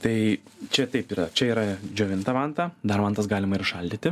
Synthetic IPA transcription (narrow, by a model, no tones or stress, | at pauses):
t̪ɐɪt͡ʃʲɛt̪ɐɪpiːɾɐt͡ʃʲɛiːɾɐd͡ʒʲoːʋʲɪnt̪ɐʋɑnt̪ɑːd̪ɐɾʋɐnt̪ɐsɡɑːlʲɪmɐɪɾʃɐlʲdʲiːt̪ʲɪ